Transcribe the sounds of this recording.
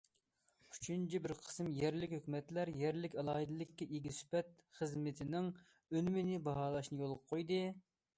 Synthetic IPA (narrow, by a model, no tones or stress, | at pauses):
y̥t͡ʃʰynt͡ʃʰibɪɾqʰə̥smjɛɾlɪkʲɦøkʲmɛt̪læɾjɛɾlɪkʲɑlˠɑːɦɨd̪ɨlˠɪkʲːɛʔeɡʲisy̥pɛt̪̚χəzmɪt̪ʰɪnɪŋ | ønymɪnɪbɑɦɑːlˠɑʃnɨjolˠqqʰːojd̪ɨ